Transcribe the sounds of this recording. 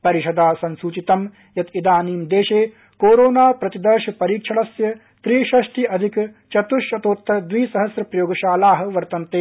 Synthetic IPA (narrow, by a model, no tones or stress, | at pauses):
pɐɾiʃɐd̪aːsɐnsuːt͡ʃit̪ɐm | jɐt̪id̪aːniːmd̪eːʃeː | koːɾoːnaːpɾɐt̪id̪ɐɾʃɐpɐɾiːkʂʰɐɭɐsjɐ | t̪ɾiːʃɐʃʈiʔɐd̪ʱik | t͡ʃɐt̪uʃɐt̪oːt̪ːɾɐd̪ʋiːsɐɦɐsɾɐpɾɐjoːɡɐʃaːlaːɦɐ̆ʋɐɾt̪ɐnt̪eː